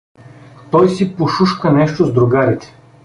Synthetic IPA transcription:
t̪ɔjsipoʃuʃkənɛʃt̪ozd̪ɾuɡaɾit̪ɛ̥

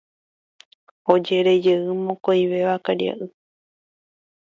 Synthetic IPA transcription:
od͡ʒe̞ɾe̞d͡ʒeɨmõkoĩβe̞ʋakaɾia̰ʔɨ

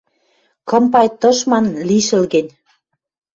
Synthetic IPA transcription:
kɤ̆mpɑjt̪ɤ̆ʃmɑnliʃə̆lɣĕnʲ

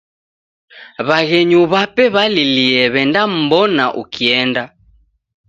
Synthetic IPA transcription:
βaɣɛɲuβapɛβaliliɛβɛndam̩bɔnaʔṵkʰiɛnda

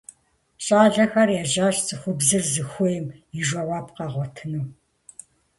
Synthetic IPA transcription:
ɕʼaːɮɐxɐrjɛʒaːɕt͡sʼɨxʷʊbzɨrzɨxʷɔjɪmiʒʷɐwɑːpqɑːʁʷɔtʰɨnɨw

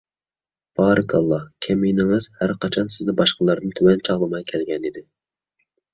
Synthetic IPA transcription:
b̥ɑːɾɨkʰɑlˠːɑkʲʰɛmijnɪŋɨz̥hæɾqʰɑt͡ʃʰɑnsɪzd̪ɛbɑʃqəlˠɑɾd̪ɨnt̪ʰywɛnt͡ʃʰɑʁlˠɨmɑjkʲʰɛlɡʲɛnid̪ɪ

